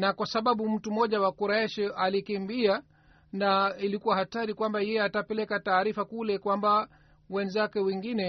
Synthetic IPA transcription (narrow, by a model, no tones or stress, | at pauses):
nakwasaɓaɓum̩tumɔʄawakuɾaɛʃalikimbia | nailikuwahataɾikwambajɛjɛatapɛlɛkataːɾifakulɛkwamba | wɛnzakɛwɛŋɡinɛ